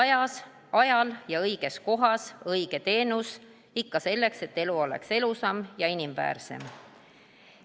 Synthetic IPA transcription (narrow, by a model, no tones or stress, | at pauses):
ɑjɑs | ɑjɑljɑɤjɡ̥e̞sko̞ɦɑsɤjɡ̥e̞t̪e̞ːnus | ikːɑse̞lːe̞kse̞t̪ːe̞luo̞le̞̰kse̞lusɑmjɑinimvæ̰ːrse̞̰m